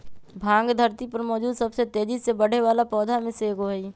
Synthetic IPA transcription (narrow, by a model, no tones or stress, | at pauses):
bʱãːŋɡd̪ʱəɾt̪ipɐɾmɔːd͡ʒuːd̪sɐbset̪eːd͡ʒisebəɽ̤eʋaːlapɔːd̪ʱamẽseːɡoɦi